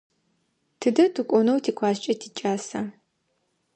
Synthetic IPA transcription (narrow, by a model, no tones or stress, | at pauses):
tʰɨdɐtʰukʷʼɔnɐwtʰiːkʷʰaːst͡ʃʼɐtʰit͡ʃʼaːsa